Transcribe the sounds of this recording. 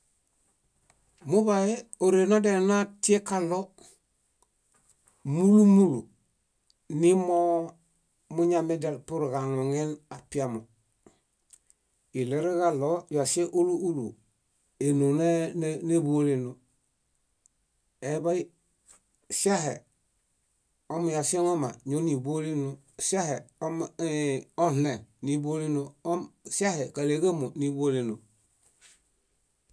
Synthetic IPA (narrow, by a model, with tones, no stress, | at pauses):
mu˦bajeoɾenodenati˦ekalo | mulu˦mulu | nimo | muɲamedelpu˦ɾɡaŋoŋenapiamo | i˨leɾeɡalojase˦ʔu˦lu˦u˦lṵ | e˨nu˨ne˦ne˦bo˦li˨nu˨ | e˨ba˦i˦ | sa˦he˨ | o˦m˨ja˨se˦no˦ma̰˨ɲo˦ni˨bo˦li˦nu˦ | sa˦he˨o˦m | o˦he˨nni˨bo˦li˦no˦o˦msa˦he˨ka˨le˨ɡa˦mo˨ni˦bo˦le˨no˨